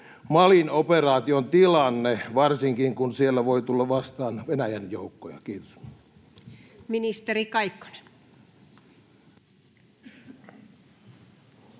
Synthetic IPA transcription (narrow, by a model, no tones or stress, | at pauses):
mɑlinoperɑːt̪iont̪ilɑnːeʋɑrsiŋkiŋkunsielːæʋoit̪ulːɑʋʋɑst̪ɑːnʋenæjænjoukːojɑ̰kiːt̪os | minist̪erikɑikːo̥ne̥